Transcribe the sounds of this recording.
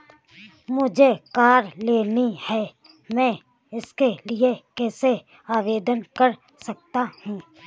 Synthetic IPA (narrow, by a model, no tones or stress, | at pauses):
mʊd͡ʒʱekaːɾleːnihɛː | mɛ̃ː | ɪskeliekɛːse | aːʋeːd̪ənkɐɾ | sɐk̚t̪ahũː